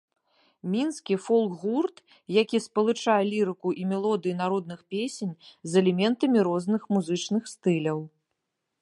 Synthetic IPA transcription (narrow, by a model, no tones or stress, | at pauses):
mʲinskʲifɔlˠkɣurt̪ | jakʲispɐlˠɨt͡ʂajɛlʲiɾɨkuʔimʲɛlˠɔd̪ɨjin̪aɾɔd̪̚nɨxpʲesʲenʲzɛlʲɛmʲɛnt̪ɐmʲiɾɔznɨxmuzɨt͡ʂnɨxst̪ɨlʲɐw